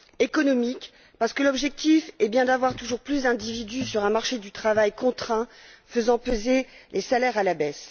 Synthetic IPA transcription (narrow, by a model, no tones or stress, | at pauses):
ekɔnɔmik | paʁsə̥kəlɔbʒɛk̚t̪ifɛbjɛ̃d̪avwaʁt̪uʒuʁplysd̪ɛ̃d̪ivid̪ysyʁɛ̃maʁʃed̪yt̪χavajkɔ̃t̪χɛ̃fəzɑ̃pøzelʔesalɛʁalabɛs